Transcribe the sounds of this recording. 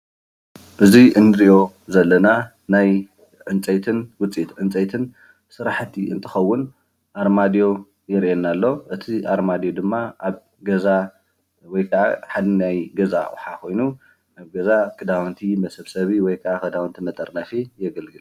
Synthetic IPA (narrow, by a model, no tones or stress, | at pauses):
ʔɨziʔɨnd̪ɾio̞ | zɐlːɐna | naj | ʕɨnt͡sʼɐt̪ʰɨnwʊt͡sʼit̪ʕɨnt͡sʼɐjt̪ʰɨn | sɨɾaħt̪ʰːiɨnt̪ʰɨxɐwːʊn | ʔaɾmad̪jo̞ | jɛɾʔɛnːalːo̞ʔɨt̪ʰiʔaɾmad̪jo̞d̪ɨmːaʔaβ | ɡɐza | wɔjkʰɐʕa̰ħad̪najɡɐza̰w̰ħakʰo̞jnu | ʔaβɡɐzakʰʼɨd̪awnt̪ʰimɐsɐβsɐβiwɔjkʰɐʕakʰɐd̪awnt̪ʰimɐt̪ʼɐɾnɐfijɛɡɐlɡɨl